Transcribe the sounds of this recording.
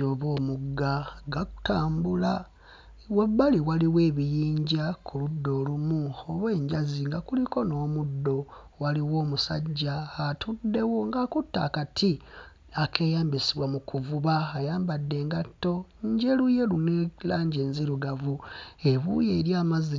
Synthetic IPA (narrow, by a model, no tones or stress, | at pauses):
oːβo̞ːmuɡaɡaku̥taːmbula | weβaliwaliwe̞ːβijiːɲɟakʰuludːo̞ːlumuoβwe̞ːɲɟaziŋɡakuliko̞no̞ːmudːo̞ | waliwo̞ːmusa̰ɟːaːtudːe̞wo̞ŋɡakutːa̰ːkatʰi | akʰe̞ːjaːmbisiβwamukuvuβaːjaːmbadːe̞ŋɡatːo̞ɲɟe̞luje̞lunelaːɲɟeːnziɾuɡavue̞βṵjeːɾjaːmazi